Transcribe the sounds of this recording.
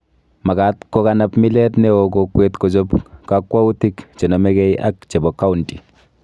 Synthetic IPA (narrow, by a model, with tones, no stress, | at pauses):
ma˨ka˨˦tkɔ˦ka˦na˦pmi˦lɛ˦tnɛ˦o˨ko˨kwe˦tko˨t͡ʃo˦pka˦kːwa˦u˦ti˦kt͡ʃe˨nɔ˨mɛ˦kɛ˦jʔa̰˦kt͡ʃe˨bɔ˨kːa˦u˨nti˨